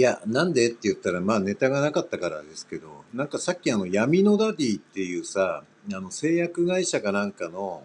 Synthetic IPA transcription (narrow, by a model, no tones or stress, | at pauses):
janãnd̪e̞t̪ːe̞jɯ̟t̪ːaɾamaːne̞t̪aɡanakat̪ːakaɾa̰d̪e̞sɨ̥ke̞d̪o̞̰nãŋkasakʲːiano̞jamʲino̞d̪aɾʲiːtt̪ːe̞jɯ̟ːsa | ano̞se̞ːjakɯ̟ɡaiɕaɡanãŋkano̞